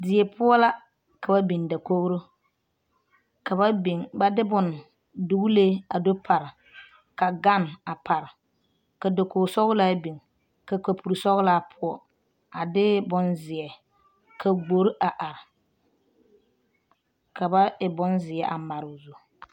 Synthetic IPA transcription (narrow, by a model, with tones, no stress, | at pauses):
dɪ˨ɛ˨pʰʊ˦ɔ˦la˦ | ka˨ba˦bi˨nda˨ko˦ɣɾʊ˦ | ka˨ba˦i˨ŋba˨dɪ˦bʊ˨n | dʊ˨ɡleː˦a˨do˦pʰa˨ɾɪ˨ | ka˨ɡa˦˨na˨pʰa˨ɾɪ˨ | ka˨do˨ko˨ɣsɔ˦ɣʊ˦la˦bi˨ŋ | ka˨ka˨pʰu˨ɾsɔ˦ɣla˦˨pʰʊ˦ɔ˨ | a˨dɪ˦bʊ˦nzɪ˨ɛ˨ | kʰa˨ɡ͡bo˨ɾʔa˨ʔa˨ɾɪ˨ | ka˨ba˦ɪ˨bʊ˦nzɪ˨ɛ˦ʔa˨ma˨ɾʊ˨zu˦